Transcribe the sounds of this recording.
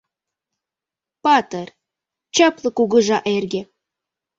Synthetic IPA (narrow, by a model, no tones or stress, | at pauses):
pɑt̪ər | t͡ɕɑplɤ̆kuɣɤ̆ʒɑʔerɡe